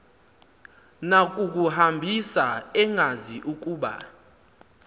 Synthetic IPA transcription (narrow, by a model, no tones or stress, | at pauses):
nak̬ʼuk̬ʼuhambʱisaɛŋʱaziʔuk̬ʼuːɓa̰